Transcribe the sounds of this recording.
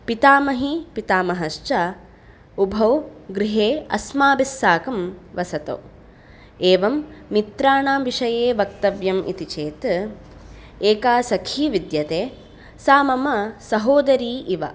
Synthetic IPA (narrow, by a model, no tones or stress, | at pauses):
pit̪aːmɐɦipit̪aːmɐɦɐʃt͡ʃɐ | ubʱɐwɡɾiɦeːɐsmaːbisːaːkɐmʋɐsɐt̪o̰ː | eːʋɐmːit̪ɾaːɳaːmʋiʂɐjeːʋɐk̚t̪ɐʋjɐmḭt̪it͡ʃeːt̪ | eːkaːsɐkʰiːʋid̪jɐt̪eː | saːmɐmɐsɐɦoːd̪ɐɾiːʔiʋɐ